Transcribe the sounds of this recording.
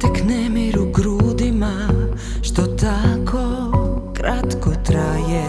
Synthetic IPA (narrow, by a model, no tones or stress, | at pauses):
t̪ɛknɛmɛɾuɡɾuːd̪ima | ʃt̪ot̪akʰokɾʔat̪kot̪ɾaːjɛ